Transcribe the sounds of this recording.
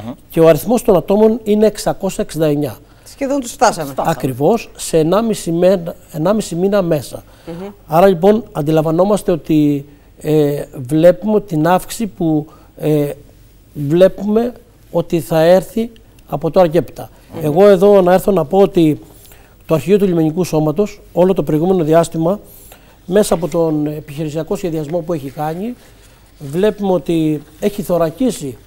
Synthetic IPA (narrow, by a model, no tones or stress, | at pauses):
ce̞o̞ɐɾiθmo̞st̪o̞nɐt̪o̞mo̞nine̞ːksɐko̞sɐeksind̪ɐeɲɐ | eðont̪ust̪ɐsɐmeɐkɾivo̞sːe̞ːnɐmisimen | enɐmisiminɐme̞sɐ̰ | ɐɾɐʎip̬o̞nɐnd̪ilɐɱvɐno̞mɐst̪e̞o̞t̪i | evle̞pume̞t̪inɐfki̥sipu | e | vle̞pume̞ | o̞t̪iθɐe̞ɾθi | ɐpo̞t̪oɐɾʝe̞pt̪ɐ | e̞ɣo̞e̞ðo̞nɐeɾθo̞nɐpo̞ot̪i | t̪oɐɾçio̞t̪uʎimeɲikuso̞mɐt̪oso̞lo̞t̪o̞pɾoiɣume̞no̞ðiɐst̪imɐ | me̞sɐːpo̞t̪o̞nepiçiɾisiɐko̞sçe̞ðiɐzmo̞pue̞çikɐɲi | vle̞pumeo̞t̪ie̞çiθo̞ɾɐcisi